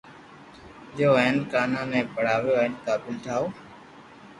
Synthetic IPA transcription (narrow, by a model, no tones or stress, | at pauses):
ɗoːəɦənkaːnãːnɛ̃ːpəɽ̤aːʋjoːɪnt̪aːpɪlʈʰaːoː